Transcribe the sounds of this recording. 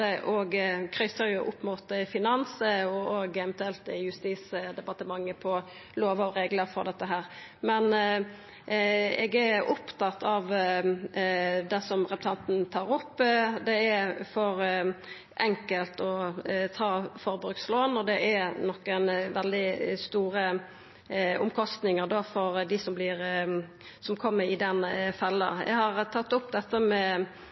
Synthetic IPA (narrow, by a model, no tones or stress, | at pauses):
ɛʔɔɡkʰɾœsəɾjʊʔʊpːmuːt̪fɪnɑnsəɔoːɡɛvɛnt̪ʉɛlt̪ɪjʉst̪iːsəd̪ɛbɑt̪əmɑŋːəpʰɔ | loːʋəɔɾeːɡləɾfɔ̰ɾd̪ɛt̪ːəɦæːɾ | mɛn | ɛɡɛʊpt̪ʰɑt̪ːɑʋ | d̪ɛsɔmʁɛpʉ̥t̪ʰɑnt̪nt̪ʰɑːɾʊpːd̪ɛæfɔɾ | ʔɛŋkəlt̪ɔt̪ʰɑːfɔɾbɾʉkt̪sloːnɔd̪ɛʔænɔkːənʋɛld̪ɪst̪uːɾə | ʊmkʰɔst̪nɪŋəɾd̪oːfɔɾd̪ɪsɔmblɪʁ | sɔmkʰɔmːəɾɪd̪ɛnfɛlːəɛ̰ɡhɑʁt̪ʰɑt̪ːʊpːd̪ɛt̪ːəmɛ